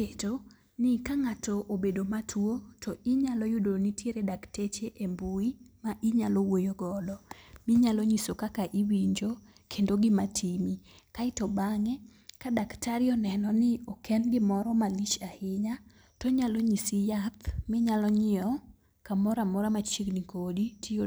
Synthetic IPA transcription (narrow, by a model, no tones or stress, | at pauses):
eto | nɪkaŋatɔʔobedomatʰwotʰɔʔɪɲalɔjʊdonitjeɾedaktet͡ʃeʔembuimaʔiɲalɔwojoɡɔdɔmɪɲalɔɲisokakaʔiwiɲd͡ʒo | kʰendoɡɪmatʰimi | kaɪtɔbaŋɛ | kadaktaɾɪɔnɛnɔnɪɔkʰɛnɡɪmɔɾɔmalit͡ʃahɪɲa | toɲalɔɲisijat̪mɪɲalɔɲɪɔ | kamɔɾamɔɾamat͡ʃiɡnikoditio